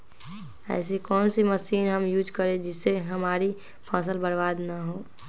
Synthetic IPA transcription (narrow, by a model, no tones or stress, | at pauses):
ɛ̰ːsikɔːnsiməsiːnɦəmjuːd͡ʒkəɾẽd͡ʒɪsːeɦəmaːɾi | pʰaːs̬əlbəɾbaːd̪naɦoː